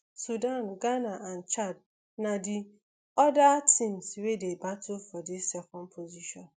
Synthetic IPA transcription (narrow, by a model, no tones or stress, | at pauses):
sudanɡanaʔan̩t͡ʃad̚ | nadi | ɔdatĩmswedebatʊfɔdɪsːɛkɔnpʰoziʃɔ̃n